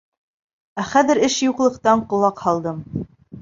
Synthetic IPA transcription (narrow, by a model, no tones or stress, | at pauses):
æχæðɘ̆ɾɘʃjuqlˠɤ̆qt̪ɑɴqŏlˠɑqhɑlˠd̪ɤm